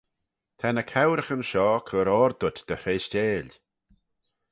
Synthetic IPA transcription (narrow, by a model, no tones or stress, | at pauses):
t̪ʰanəkʰawɾəxənʃɔːkʰəɾɔɾd̪ʊt̪d̪̥əɾeːsteːl